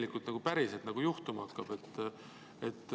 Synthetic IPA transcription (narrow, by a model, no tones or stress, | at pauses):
likːˑult̪nɑɡupæɾiselt̪nɑɡ̥ujuht̪umɑɑkːɑb̥e̞t̪ː | et̪ːˑ